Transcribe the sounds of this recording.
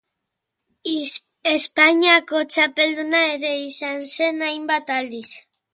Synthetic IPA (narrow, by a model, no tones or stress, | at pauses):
espaɲiako̞t͡ʃape̞ld̪unae̞ɾe̞isanse̞najmbat̪ald̪is